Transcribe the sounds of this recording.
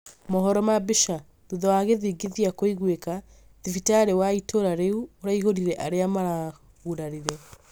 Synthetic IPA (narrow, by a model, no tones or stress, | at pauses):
moɦɔɾɔmabeʃa | ðuðɔwaɣeðiːɡiðiakoiɣweka | ðifitaɾewaitʰoɾaɾeuoɾaiɦoɾiɾɛʔaɾeamaɾa | ɣuɾaɾiɾɛ